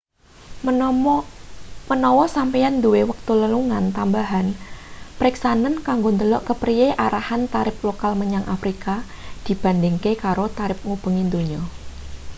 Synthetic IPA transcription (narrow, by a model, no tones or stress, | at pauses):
mənɔwɔsampijand̪uwewək̚t̪uləluŋant̪ambaɦanpɾiksanənkaŋɡond̪əlɔʔkəpɾijeʔaɾahant̪aɾɪp̚lokalməɲaŋʔafɾika | d̪̥i̤b̥a̤nd̪ɪŋkekaɾot̪aɾɪp̚ŋub̥ə̤ŋind̪oɲo